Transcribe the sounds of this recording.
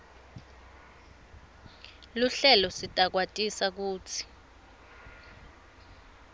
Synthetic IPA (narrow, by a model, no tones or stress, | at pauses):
luɬɛlɔsitʼak̬watʼisak̬uːt͡sʰi̥